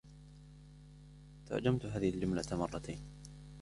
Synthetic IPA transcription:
t̪a̰ʕd͡ʒamt̪ɦaːðɪhɪld͡ʒʊmlamɑrˤːɑt̪ʰeːn

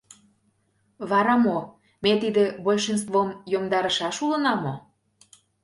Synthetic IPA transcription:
βɑɾɑmo | met̪id̪ĕbolʃens̬t̪vomjomd̪ɑɾəʃɑʃulə̆nɑmo

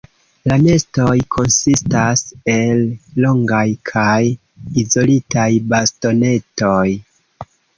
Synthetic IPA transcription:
lane̞sto̞jkʰo̞nsistase̞lːo̞ŋɡajkʰaj | izo̞litajbasto̞ne̞toj

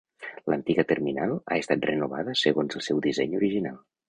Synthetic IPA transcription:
lənt̪iɣət̪erminalˠa̰est̪at̪̚renuβaðəsəɣonzəlˠsɛwðizɛɲuɾiʒinalˠ

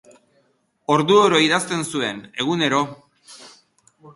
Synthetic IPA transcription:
o̞ɾðuoɾo̞iðast̪e̞nsue̞ne̞ɣ̞une̞ɾo̞

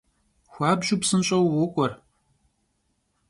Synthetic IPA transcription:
xʷaːbʒʊpsɨnɕʼɐwwʊkʷʼɔr

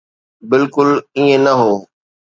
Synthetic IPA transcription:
bɪlkʊliẽnɐɦoː

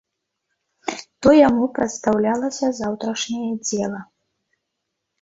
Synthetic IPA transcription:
t̪ɔjamupɾɐt̪st̪awlʲalˠɐsʲɐzawt̪ɾɐʂnʲɛjɛd͡zʲɛlˠɐ

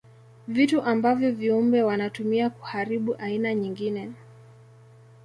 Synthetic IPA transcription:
vituʔambavjɔviumbɛwanatumiaku̥haɾiɓuʔainaɲiŋɡinɛ

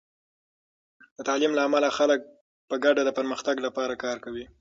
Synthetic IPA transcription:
d̪ət̪ɑlimlaːmalaxalək̚ | pəɡaɖad̪əpəɾməxt̪aɡlapɑɾakɑɾkawi

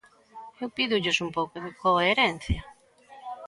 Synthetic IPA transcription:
ewpiðʊʎʊsumpowkʊðɪkoeɾɛn̟θjɐ

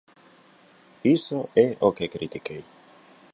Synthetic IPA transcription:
isoɛokekɾit̪ikej

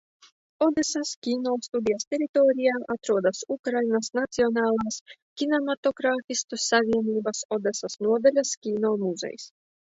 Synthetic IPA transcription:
ɔd̪esaskʲiːnɔːst̪ud̪ʲijast̪ʲɛɾit̪oːɾʲijaːʔat̪ɾuɔd̪asukɾajnasnat̪siɔnaːlˠaskʲinamat̪oɡɾaːfʲist̪usavʲiɛnʲiːbasɔd̪ɛsasnuɔd̪alʲaskʲiːnoːmuzɛ̰j̰s

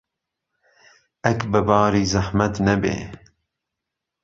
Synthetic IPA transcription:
ʔɛkbɨbɑːɾiːzaħmɐt̪nɛbḛː

